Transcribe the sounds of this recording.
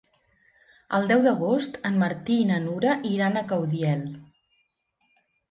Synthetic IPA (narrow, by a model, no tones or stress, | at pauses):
əlˠd̪ɛwðəɣ̞ost̪ənməɾt̪iːnənuɾəʔiɾanəkəwðiɛlˠ